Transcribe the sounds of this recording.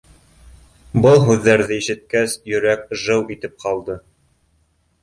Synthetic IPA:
bɤlˠɦʉðːæɾðɘiʃɘ̆t̪̚kæsjɵ̆ɾæk̚ʒɤwit̪ɘp̚qɑlˠd̪ɤ

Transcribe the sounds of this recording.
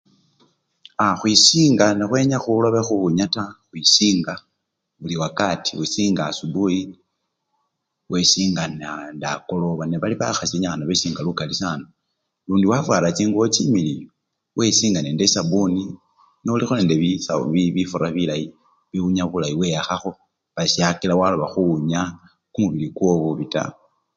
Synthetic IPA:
axwisiːŋɡanexwe̞ɲaxuloβexuuɲataxwisiːŋɡa | βuliwakatʰiwisiːŋɡasuduji | wesiːŋɡanandakoloβaneβaliβa̰xasiɲaxanaβesiːŋɡalukalisano | luːndiwafwaːɾat͡ʃiːŋɡuot͡ʃimili | wʔe̞siːŋɡanendesabuni | neulixuleːndeβisaβiβifuɾaβilaji | βiuɲaβulaiwe̞jaxaxo̞ | βasiakilawaloβaxuɲa | kumuβilikwo̞βuβita̰

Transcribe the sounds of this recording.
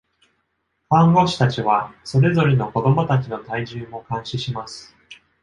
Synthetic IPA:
hãŋɡo̞ɕi̥t̪at͡ɕiβ̞aso̞ɾe̞zo̞ɾeno̞ko̞d̪o̞mo̞t̪at͡ɕino̞t̪aiʑɨːmo̞kãɰ̃ɕiɕimasɨ̥

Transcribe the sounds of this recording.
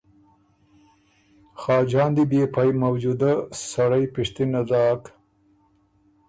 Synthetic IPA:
xɑːd͡ʒɑːnd̪ibepʰajmɐwd͡ʒud̪asɐɽajpɪʂt̪inad̪ɑːk

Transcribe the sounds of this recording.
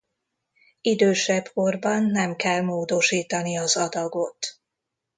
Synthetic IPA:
id̪øːʃɛbko̞rbɒnːɛmkɛlmoːd̪o̞ʃiːt̪ɒniɒzɒd̪ɒɡo̞t̪

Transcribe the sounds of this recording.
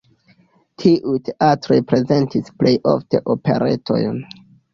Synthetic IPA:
tʰiʔujte̞ʔatɾo̞jpɾe̞ze̞ntisple̞jʔo̞̰fte̞̰ʔo̞pe̞̰ɾḛtʰo̞̰jn

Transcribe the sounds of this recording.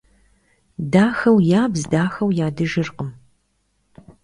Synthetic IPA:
daːxɐwjaːbzdaːxɐwjaːdɨʒɨrqəm

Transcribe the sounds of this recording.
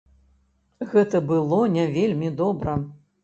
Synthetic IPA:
ɣɛt̪ɐbɨlˠɔnʲɛvʲelʲmʲid̪ɔbɾɐ

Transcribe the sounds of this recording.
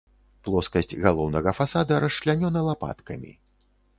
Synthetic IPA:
plˠɔskɐsʲt͡sʲɣalˠɔwnɐɣɐfasad̪ɐɾɐʂʂlʲanʲɔnɐlˠapa̰t̪kɐmʲḭ

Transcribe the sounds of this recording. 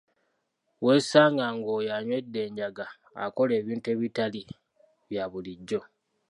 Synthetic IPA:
we̞ːsaːŋɡaŋɡoːjaɲwe̞dːe̞ːɲɟaɡa̰ː | ko̞le̞ːβiːntue̞ːβitali | βjaβuliɟːo̞

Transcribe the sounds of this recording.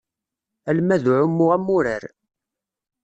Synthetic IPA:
ælmæðʕʊmːʊʁæmːʊɾəɾ

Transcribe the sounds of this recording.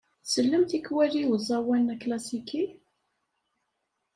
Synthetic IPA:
səlːəmt̪ikwæliwəzˤɑwænklæsiki

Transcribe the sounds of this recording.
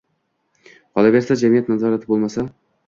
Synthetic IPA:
qʰɒlˠaɡʲaɾsad͡ʒamijat̪nazɒɾat̪ʰɪbolˠmasa

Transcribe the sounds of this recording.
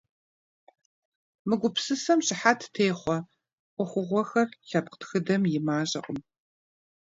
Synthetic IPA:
mɨɡʷʊpsɨsɐmɕɪħatʰtʰeːχʷɔ | qʷʊxʷʊʁʷɔxɐrɬɐp̚qtxɨdɐmjɪmaːɕʼɐ̰qʼəm

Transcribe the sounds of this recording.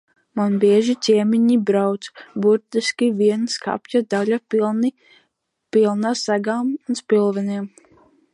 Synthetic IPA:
manbiɛʒit͡s̪ʲiɛmiɲibɾawt̪sbuɾt̪iskʲiviɛnska̰pjad̪aʎani | pilˠnasaɡaːmunspilˠvɛniɛm

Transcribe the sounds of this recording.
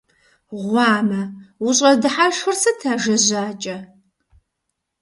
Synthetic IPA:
ʁʷɑːmɐwʊɕʼɐdɨħaʃxɨrsɐtʰaːʒɐʑaːt͡ʃʼɐ

